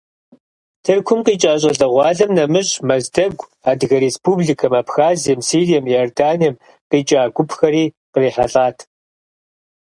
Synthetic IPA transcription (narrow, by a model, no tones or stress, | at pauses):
tʰɨrkʷʰʊmqiːt͡ʃʼaːɕ̬ʼɐɮɐʁʷɑːɮɐmnɐmɨɕʼmɐzdɐɡʷ | aːdɣɐɾespʰuːbɮikʰɐmaːpxaːzijɛmsiːrijɛmjjordaːnijɛm | qiːt͡ʃʼaːɡʷʊpxɐɾiː | qəriːħaɬʼaːtʰ